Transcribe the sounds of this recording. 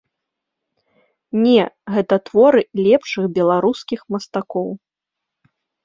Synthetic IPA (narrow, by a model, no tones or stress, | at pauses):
nʲɛɣɛt̪ɐt̪vɔɾɨlʲɛpʂɨɣbʲɛlˠaɾuskʲixmɐst̪akɔw